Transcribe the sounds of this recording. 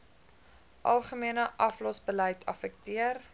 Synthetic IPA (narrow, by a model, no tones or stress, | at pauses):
ʔɐlˠχəmiənəʔɐflɔsbəlɛjtʰɐ̰fək̚tiər